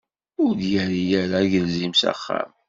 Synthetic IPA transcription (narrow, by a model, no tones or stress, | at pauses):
ʊɾðjæɾijæɾaʝəlzimsæ̰χːa̰m